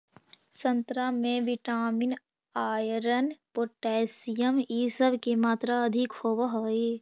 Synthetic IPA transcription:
sə̃nt̪ɾamẽʋɪʈaːmɪn | aːjɾənpoːʈɛːsijəmisəbkemaːt̪ɾaɐd̪ʱɪkhoːbaɦoeː

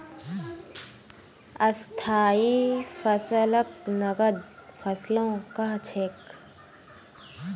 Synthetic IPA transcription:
əst̪ʰaːifəsələknɐɡəd̪̚fʰəslõːkaɦt͡ʃʰek

